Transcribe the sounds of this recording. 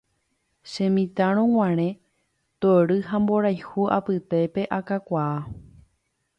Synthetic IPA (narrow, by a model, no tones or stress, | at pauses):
ʃẽ̞mĩt̪aɾ̃õŋ̃ʷãɾ̃ẽ̞ | t̪oɾɨɦãmbo̞ɾajhuʔa̰pɨt̪e̞pe̞ʔakakʷaa